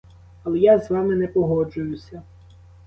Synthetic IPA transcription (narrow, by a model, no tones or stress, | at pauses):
ɐlˠɛjazʋɑmɪnɛpɔɦɔd͡ʒʊjʊsʲɐ